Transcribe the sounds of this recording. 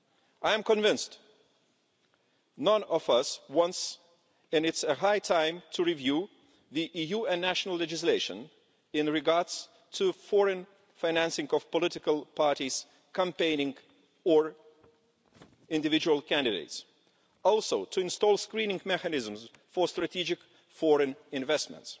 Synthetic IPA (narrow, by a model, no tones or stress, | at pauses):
aɪɨ̃mkɨ̃ɱvɪ̃nst | nʌ̃nʌvʌswʌ̃ns | ɨ̃nɨtsɨɦaɪtʰãɪ̃mtʰɨɹivju | ðiʔijuɨ̃nːæʃnəl̩ˠlɛd͡ʒɨs̬leɪʃɨ̰̃n | ɪ̃nɹɨɡɑɹds | tʰɨfɔɹɨ̃n | fãɪ̃næ̃nsɪ̃ŋʌv̥pɔlɪtɪkəlˠpʰɑɹɾiz̥ | kə̃mpẽɪ̃nɪ̃ŋ | ə˞ | ɪ̃ndɨvɪd͡ʒuəlˠkʰæ̃ndɨdḛɪts | ɔlˠsoʊtʰɨɨ̃nstɔlˠskɹĩnɪ̃ŋmɛkɨnɪz̃m̩zfəstɹ̥ɨtʰid͡ʒɪk | fɔɹɨ̃nɪ̃nvɛstmə̰̃nts